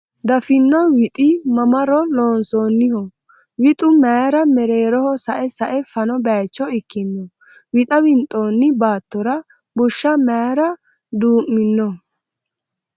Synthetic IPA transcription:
d̪ɐfɪnːɔwɪt̪ʼɪmɐmɐɾɔloːnsoːnːɪhɔ | wɪt̪ʼʊmaːɾɐmɛɾeːɾɔhɔsɐʔɛsɐʔɛfɐnɔbaːt͡ʃːɔɪkːɪnːɔ | wɪt̪ʼɐwɪnt̪ʼːoːnːɪbaːt̪ːɔɾɐ | bʊʃːɐmaːɾɐ | d̪uːʔmːɪnːɔ

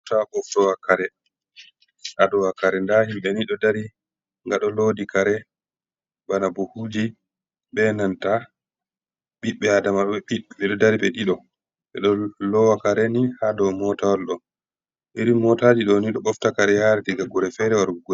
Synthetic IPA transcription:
taɓɔftɔwakaɾɛ | ʔadɔwakaɾɛndahimɓɛniɗɔdaɾi | ŋɡaɗɔlodikaɾɛ | banabuhud͡ʒi | ɓɛnanta | ɓiɓɛadamaɗɔɛiɓɛɗɔdaɾiɓɛɗiɗɔ | ɓɛ̰ɗɔlɔwakaɾɛnihadɔmɔtawalɗɔn | ʔiɾimɔtad͡ʒiɗɔniɗɔɓɔftakaɾɛjaɾɛtiɡaɡɔɾɛfɛɾɛwaɾuɡɔ

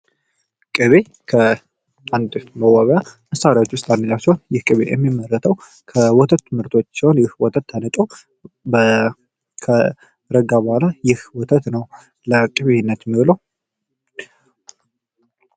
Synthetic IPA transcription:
kʼɨβe | kʰə | and̪məwaβəjaməsaɾawot͡ʃːwʊst̪ʰʼanːəd͡ʒawsihonjɪhkʼɨβḛjɛ̰mːimːərːət̪ʰəw | kʰəwɔt̪ʰət̪ːɨmɨɾt̪ʰo̞t͡ʃːsihonjɪhwɔt̪ʰət̪ʰːanət̪ʼo | bə | kʰə | ɾəɡabɔhalajɪhwɔt̪ʰət̪nəw | ləkʼɨβehɪnːət̪mːiβɨləw

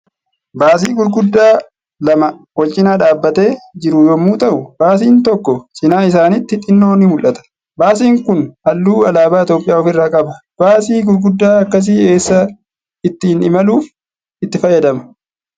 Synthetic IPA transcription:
baːs̬iːɡʊɾɡʊd̪ːaː | lɐmɐ | wɔlt͡ʃʼɪnaːᶑaːbːɐt̪e̞ːd͡ʒɪɾʊjɔmːuːt̪ɐʔʊbaːs̬iːnt̪ɔkːɔsɪnaːɪs̬aːnɪt̪ːɪt̪ʼɪnːo̞ːnɪmʊlʔɐt̪ɐ̥ | baːs̬iːŋkʊnhɐlːuːɐlaːbaːɪt̪jo̞ːpʼɪjaːɔfɪrːaːkʼɐbɐ | b̥aːsiːɡʊɾɡʊd̪ːaːɐkːɐs̬iːe̞ːsːɐ | ɪt̪ːɪɪnɪmɐluːf | ɪt̪ːɪfɐjːɐd̪ɐmɐ̥

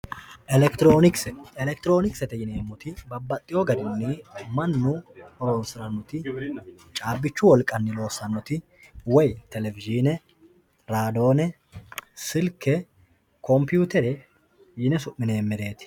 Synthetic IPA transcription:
ʔɛlɛkt̪ɾoːnɪkɛlɛkt̪ɪɾo̞ːnɪksɛt̪ɛjɪneːmːɔt̪ɪbɐbːɐt̪ʼːɪjɔɡɐd̪ɪnːɪmɐnːʊoːsɾɐnːɔt̪ɪ | t͡ʃʼaːbːɪt͡ʃːʊwɔlkʼːɐnːɪlo̞ːsːɐnːɔt̪ɪ | wɔjt̪ɛlɛvɪd͡ʒiːnɛ | ɾaːd̪o̞ːnɛ | sɪlkʰːɛ | kʰɔmpjuːt̪ɛɾɛ | jɪnɛsʊʔːɪne̞ːmːɛd̪e̞ːt̪ɪ̥

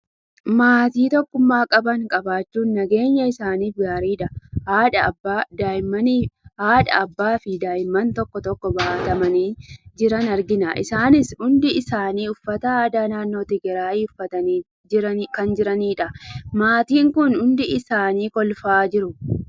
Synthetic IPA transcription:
maːt̪iːt̪ɔkːʊmːaːkʼɐbɐŋkʼɐbaːt͡ʃːuːnːɐɡe̞ːɲːɐɪsaːniːfɡaːɾiːᶑɐhaːᶑɐbad̪aːɪmɐnihaːᶑɐ̰ɐbːaːfɪd̪aːjɪmːɐnt̪ɔkːɔt̪ɔkːɔbɐhɐt̪ɐmɐniːd͡ʒɪɾɐnɐɾɡɪnɐʔɪ̰saːnɪsʊnd̪ɪɪsaːniːʊfːɐt̪ɐaːd̪aːnaːnːo̞ːt̪ɪɡɛɾaːjiːʊfːɐt̪ɐniː | ɐkɐnd͡ʒɪɾɐniːᶑɐmaːt̪iːŋkʊnʊnd̪ɪɪsaːniːkɔlfaːd͡ʒɪɾʊ

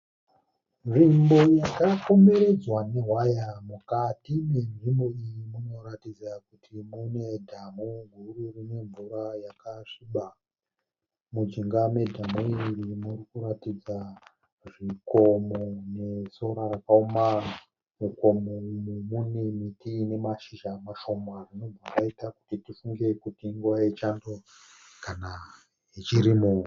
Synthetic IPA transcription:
ʐimbo̞jakako̞me̞ɾe̞d͡zwane̞ɦwajamukatine̞nʐimbo̞ijimuno̞ɾatid͡zakutʰimune̞dʱamuŋɡʱururine̞ɱvuɾajakaʂiɓa | mud͡ʒiŋɡame̞dʱamuirimurikuɾatid͡za | ʐiko̞mo̞ne̞so̞ɾarakaoma | muko̞momumunemitine̞maʃiʃamaʃo̞marino̞bʱakaitaku̥titifuŋɡe̞kutiŋɡuʋaet͡ʃando | kana | it͡ʃiɾimu

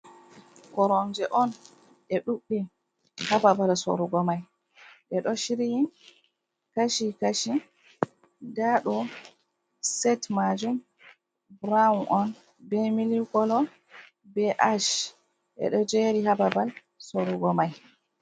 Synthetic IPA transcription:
kɔɾɔnd͡ʒɛʔɔn | ʔɛɗuɓːi | hababalso̰ɾuɡɔmaj | ʔɛɗɔʃiɾijin | kaʃikaʃi | ɡaɗɔ | sɛtmad͡ʒum | bɾaunʔɔn | bɛmilikɔlɔ | bɛʔaʃ | ʔɛ̰ɗɔd͡ʒeɾihababal | soɾuɡɔmaj

